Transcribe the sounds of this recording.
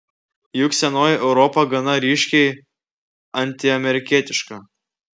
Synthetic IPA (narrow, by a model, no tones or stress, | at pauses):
jʊksʲɛnoːjʔɛʊɾɔpɐɡɐnɐɾʲiːʃʲkʲɛɪ | ɐnʲt̪ʲɪɐmʲɛɾʲɪkʲiɛt̪ʲɪʃkɐ